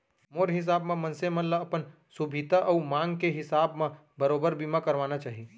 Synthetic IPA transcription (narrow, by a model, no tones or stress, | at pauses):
moːɾɦɪs̬aːbmẽmɐ̃nsemɐləɐpən | sʊbʱit̪aʔɔːmãːŋɡkeɦɪsaːbmã | bɐɾoːbəɾbimakɐɾʋaːnat͡ʃaːɦi